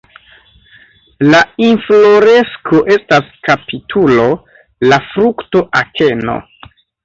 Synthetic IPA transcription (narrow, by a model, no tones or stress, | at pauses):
lainflo̞ɾe̞skʰo̞ʔe̞staskapitʰulo̞ | lafɾukto̞ʔakʰe̞no̞̰